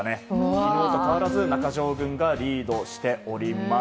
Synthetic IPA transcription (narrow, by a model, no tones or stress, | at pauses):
ne̞iɾoːt̪o̞kaβaɾazɨnakaʑo̞ːɡɯ̟̃ŋɡaɾʲiːd̪o̞ɕi̥t̪e̞o̞ɾʲima